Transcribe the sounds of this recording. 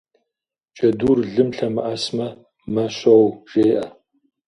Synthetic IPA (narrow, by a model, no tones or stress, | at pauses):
t͡ʃʼɐduːrɮɨmɬɐmɨ̰ʔɐsmɐ | mɐɕɐwʒ̥eːʔɐ